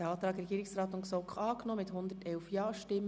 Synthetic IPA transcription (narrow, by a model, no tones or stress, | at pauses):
ɑːt̪ɾɑːɡrɛɡiːɾɪksrɑːt̪ʊnksɔkχɑːknɔmɪthʊnd̪ətɛlfjɑːʃtɪm